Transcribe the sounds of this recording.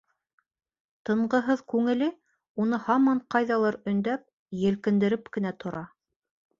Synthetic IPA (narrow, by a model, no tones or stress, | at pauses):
t̪ɤ̆ɴɢɤ̆ɦɤðkʉŋɘ̆lɘ | unɤhɑmɑɴqɑjðɑlˠɤɾɵ̆nd̪æp̚ | jɘ̆lkɘ̆nd̪ɘ̆ɾɘpkɘ̆næt̪ʰŏɾɑ